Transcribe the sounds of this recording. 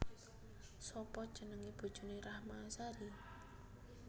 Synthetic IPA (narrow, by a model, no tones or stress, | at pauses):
sɔpɔt͡ʃənəŋib̥o̤d̥ʒ̥ṳneɾahmaːsaɾi